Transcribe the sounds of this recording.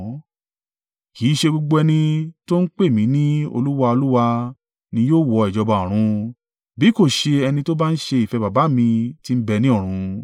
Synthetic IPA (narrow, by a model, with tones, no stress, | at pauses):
ki˨˦ʃe˧ɡ͡bo˧ɡ͡bo˧ɛ˧nĩ˧to˦n̩˦k͡pe˦˨mĩ˨˦nĩ˦o̰˧lu˦wa˧o˧lu˦wa˧ | nĩ˧joː˦˨wɔ˧ɛ˨d͡ʒɔ˧ba˧˨ɔ̃˨ɾ̃ũ˧ | bi˨˦ko˦˨ʃe˧ɛ˧nĩ˧to˦ba˦n̩˦ʃe˧i˨fɛ˨˧ba˨ba˨˦mĩ˧ti˦m̩˦bɛ˧nĩ˦ɔ˦˨ɾ̃ũ˨˧